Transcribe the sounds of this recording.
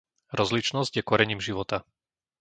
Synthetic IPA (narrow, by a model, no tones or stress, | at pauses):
ɾɔzlit͡ʃnɔzɟjɛkɔɾɛɲiːmʒiʋɔt̪a